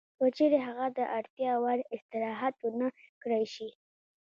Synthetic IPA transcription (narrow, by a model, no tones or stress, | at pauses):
kət͡ʃeɾeɦaɣad̪əʔaɽt̪jɑwaɾɪst̪ɪɾɑɦat̪unakɽajʃi